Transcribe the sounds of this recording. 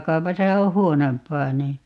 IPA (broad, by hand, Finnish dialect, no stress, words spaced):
kɑupɑsɑ o huonompˑɑː niː